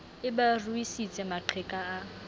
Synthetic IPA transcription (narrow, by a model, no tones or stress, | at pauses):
ɪbaruisit͡sʼɛmaǃʰɛkʼaː